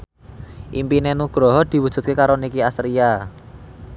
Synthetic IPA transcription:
ʔimpinenuɡ̥ɾɔɦɔd̪̥i̤wu̥ʒ̥ṳt̪̚kekaɾonikiasɾia

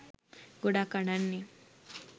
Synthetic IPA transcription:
ɡoɽakəɽanːi

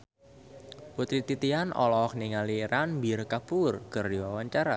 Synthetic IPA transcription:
put̪ɾit̪it̪ianʔɔ̰lɔkniŋaliɾanbirkapurkərdiwawaɲt͡ʃaɾa

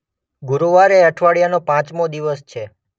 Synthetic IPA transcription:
ɡuɾuʋaɾeəʈʰʋaɭjanopãt͡ʃmod̪iʋəst͡ʃʰe

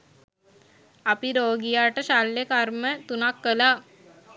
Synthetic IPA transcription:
apiɾoːɡijaːʈəʃalːekarmət̪unakːəla

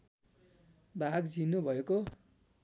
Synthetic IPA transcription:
bʱaɡd͡zinubʱʌeko

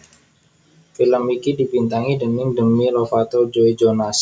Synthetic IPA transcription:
filəmikidibint̪aŋidəmɪŋdəmilofat̪od͡ʒoid͡ʒonas

